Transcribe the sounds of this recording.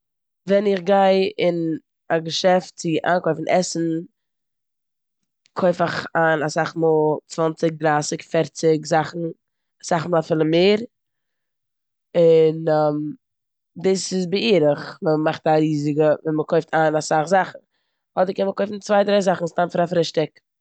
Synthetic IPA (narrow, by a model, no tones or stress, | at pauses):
vɛnɪχɡaɪɪn | aɡəʃɛftt͡sɪʔa̰ːnkɔɪfn̩ʔɛsn̩ | kʰoɪfaχaːnasaχmɔlˠt͡svant͡sɪk̚dɾaːsɪkfɛɾt͡sɪkzaχn̩ | asaχmɔlˠafɪlˠəmeːɾ | ɪnɛm | dɪsɪzbɪiːɾəχvəəmaχtaɾiːzɪɡəvɛnməkʰɔɪftʰaːnasaχzaχn̩ | hɔdəɾkɛnməkɔɪfn̩t͡svaɪdɾaɪzaχn̩stanfɪɾafɾɪʃtɪk